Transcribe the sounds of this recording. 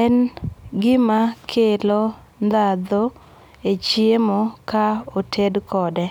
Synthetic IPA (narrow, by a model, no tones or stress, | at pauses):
ɛnɡɪmakʰelo | nd̪ad̪o | et͡ʃjemokaotʰedkʰɔdɛ